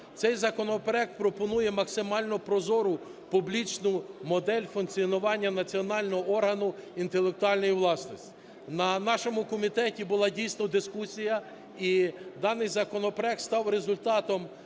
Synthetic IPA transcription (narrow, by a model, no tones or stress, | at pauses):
t̪sɛjzɐkɔnɔpeɾɛk̚t̪̚pɾɔpɔnujɛmɐksɪmɑlʲnɔɔpɾɔzɔɾʊ | publʲit͡ʃnʊmɔd̪ɛlʲfunkt͡sʲiɔnʊʋɑnʲːɐnɐt͡sʲiɔnɑlʲnɔɦɔɔrɦɐnʊint̪elˠek̚t̪ʊɑlʲnɔjiʋlˠɑsnɔsʲtʲ | nɐnɑʃɔmʊkɔmʲit̪ɛtʲibʊlˠɑdʲijsnɔd̪ɪskusʲijɐ | id̪ɑnɪjzɐkɔnɔpeɾɛk̚t̪st̪ɑwɾezʊlʲt̪ɑt̪ɔm